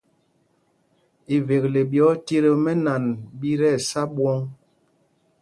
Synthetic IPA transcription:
i˨ve˨k̚le˨bjɔ˨˦ti˦ɾe˦mɛ˦na˨nbi˦ɾɛ˦˨sa˦ɓwɔ˦ŋ

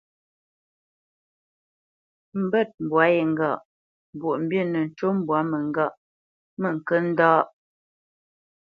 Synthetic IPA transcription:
m̩˨bə˦˨t̚m̩˨bwa˨˦je˨ŋ̩˨ɡa˦˨ʔ | m˨bwo˨ʔm̩˦bjə˦˨nə˨n̩˨t͡ʃo˦m˦bwa˨˦mə˨ŋ˦ɡa˦˨ʔ | mə˨ŋ̩˨kə˦n̩˦dɔː˦ʔ

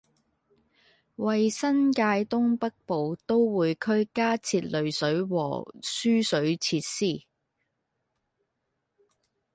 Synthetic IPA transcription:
wɐ˨jsɐ˥nkaː˧jt̪ʊ˥ŋpɐ˥k̚po˨wt̪o˥wwuː˨˧jkʰɵ˥ɥkaː˥t͡sʰiː˧t̚lɵ˨˧ɥsɵ˨˥ɥwɔ̰ː˨˩syː˥sɵ˨˥ɥt͡sʰiː˧t̚siː˥˩

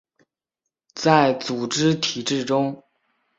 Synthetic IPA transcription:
t͡sa˥˩ɪt͡su˨˩ʈ͡ʂɻ̩˥t̪ʰi˨˩ʈ͡ʂɻ̩˥˩ʈ͡ʂʊ˥ŋ

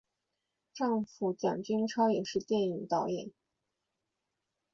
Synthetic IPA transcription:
ʈ͡ʂɑ˥˧ŋfu˨˩t͡ɕjɑ̰˨˩ŋt͡ɕy˥nʈ͡ʂʰɑ˥ʊjɛ˨˩ʂɻ̩˥˧t̪jɛ˥˩ni˨˩ŋt̪ɑ˥˩ʊjɛ̰˥˩˦n

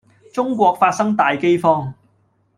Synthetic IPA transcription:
t͡sʊ˥ŋkʷɔː˧k̚faː˧t̚sɐ˥ŋt̪aː˨jke˥jfɔː˥ŋ

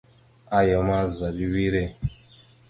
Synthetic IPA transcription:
a˦jɛ˨˦ma˦za˨ɾi˦wi˦ɾe˦˨

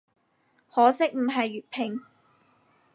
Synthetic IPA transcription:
hɔː˨˥sɪ˥k̚m̩˨˩ɦɐ˨jːyː˨˩t̚pʰɪ˨˩ŋ

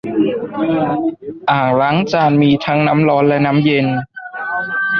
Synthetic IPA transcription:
ʔaː˨˩ŋla˦˥ŋt͡ɕaː˧nmiː˧t̪ʰa˦˥ŋna˦˥mlɔː˦˥nlɛ˦˥na˦˥mje˧n

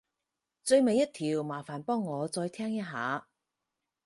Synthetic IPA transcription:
t͡sɵ˧ɥme˨jɐ˥t̪ʰiː˨˩wmaː˨˩faː˨˩npɔː˥ŋːɔː˨˧t͡sɔː˧jt̪ʰɛː˥ŋjɐ˥t̚ɦa̰ː˨˧

